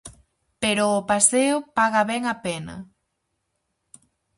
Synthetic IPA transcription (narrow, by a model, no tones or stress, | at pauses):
peɾʊːpaseʊpaɣɐβɛŋapenɐ̰